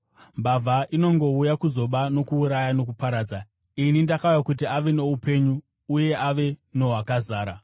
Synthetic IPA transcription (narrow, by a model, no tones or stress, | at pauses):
mbavʱaʔino̞ŋɡo̞ujakuzo̞ɓano̞kuːɾajano̞k̬upaɾaːd͡za | inindakaujakut̬iaʋe̞ne̞upe̞ɲuː | je̞ʔaʋe̞no̞ɦwakazaːɾa